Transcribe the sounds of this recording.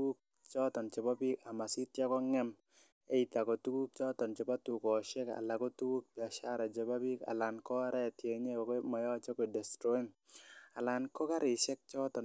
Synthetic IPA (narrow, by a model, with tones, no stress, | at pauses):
u˦k̚ | t͡ʃɔ˦t̪ɔ˨nt͡ʃe˨ba˦bi˦ka˨ma˨si˦tja˦kɔ˦ŋɛ˦m | e˦i˨t̪a˨kɔ˨tu˦ɡu˦k̚t͡ʃɔ˦t̪ɔ˨nt͡ʃe˨ba˦tu˨kɔ˨ʃɛ˦ka̰˨la˨ko˦tu˦ɡu˦k̚pja˨ʃa˦ɾa˨d͡ʒe˨ba˦bi˦ka̰˨la˨nkɔ˦ɾɛ˦˨tje˨ɲe˦˨ma˨jɔ˦t͡ʃɔ˦kɔ˨dɛ˨stɾo˦i˦na˨la˨nkɔ˦ka˦ɾɪ˨ʃɛ˦k̚t͡ʃɔ˦tɔ˨